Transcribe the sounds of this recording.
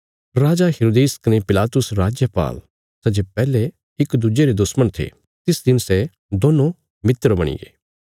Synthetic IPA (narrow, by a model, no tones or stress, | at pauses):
ɾaːd͡ʒaɦeɾoːd̪eːskɐnepɪlaːt̪ʊsɾaːd͡ʒjəpa̰ːl | sɐd͡ʒepɛːle | ɪkd̪ʊd͡ʒeɾed̪ʊsməɽ̃t̪ʰḛ | t̪ɪsd̪ɪnsɛ | d̪oːnõ | mɪt̪ɾbɐɽ̃ḭɡḛː